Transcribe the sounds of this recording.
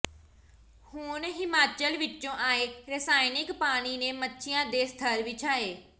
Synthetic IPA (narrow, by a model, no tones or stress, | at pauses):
hʊnɦɪmaːt͡ʃəlʋɪt͡ʃõːʔaːeːɾəsaːɪnɪkpaːɽ̃iːneːmətːʃʰɪjãːd̪eːst̪ʰəɾʋɪt͡ʃaːeː